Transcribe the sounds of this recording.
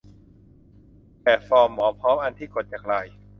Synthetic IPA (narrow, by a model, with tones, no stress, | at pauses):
pɛː˨˩fɔː˧mːɔː˩˦pʰɾɔː˦˥mʔa˧nt̪ʰiː˥˩ko˨˩t̪̚t͡ɕaː˨˩k̚ɾa˧˩j